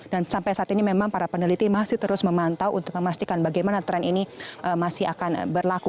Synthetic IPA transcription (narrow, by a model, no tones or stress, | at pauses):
dansampajsaːt̪inimemaŋpaɾapənəlit̪imasiht̪əɾʊsməmant̪awʔunt̪ʊk̚məmast̪ikanbaɡajmanat̪ɾɛniniʔəmasɪɦa̰kanbərlaku